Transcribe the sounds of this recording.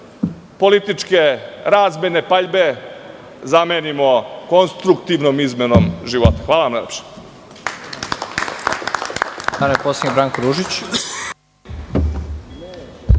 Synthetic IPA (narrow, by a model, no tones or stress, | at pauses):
po̞lit̪it͡ʃke̞ɾaːzmene̞paʎbe̞ | zameːnimo̞ko̞nst̪ɾukt̪iʋnomizme̞no̞mʒiʋot̪ḁxʋaːlaʋamnʎepʃe̥ | aɾmpoːsiɲebɾaːŋkoɾuʒit͡ɕ